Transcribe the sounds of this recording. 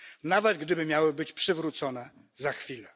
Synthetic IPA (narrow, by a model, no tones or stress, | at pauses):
navɛd̪ɡd̪ɘbɘmʲjawɘbɘt͡ɕpʂɘvɾut̪sɔnɛ | zaxfʲilɛ